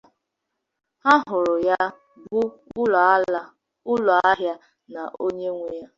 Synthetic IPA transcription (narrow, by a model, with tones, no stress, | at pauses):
a˦ɦʊ˨ɾʊ˨ja˦ | bʊ˦ | ʊ˦la˦ | ʊ˦lɔ˨a˦ɦja˦ | na˨ʔo˦ɲe˦ŋʷe˦˨ja˦